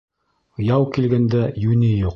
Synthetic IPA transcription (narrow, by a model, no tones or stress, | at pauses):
jɑwkilɡænd̪æjʉnijuq